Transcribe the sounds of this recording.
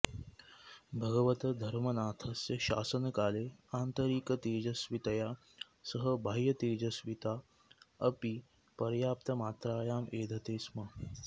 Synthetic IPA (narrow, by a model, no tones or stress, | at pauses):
bʱɐɡɐʋɐt̪ɐd̪ʱɐɾmɐnaːt̪ʰɐsjɐʃa̰ːsɐnɐkaːleːaːnt̪ɐɾiːkɐt̪eːd͡ʒɐsʋit̪ɐjaː | sɐɦɐbʱaːjːɐt̪eːd͡ʒɐsʋit̪aː | ɐpi | pɐɾjaːpt̪ɐmaːt̪ɾaːjaːmeːd̪ʱɐt̪eːsmɐ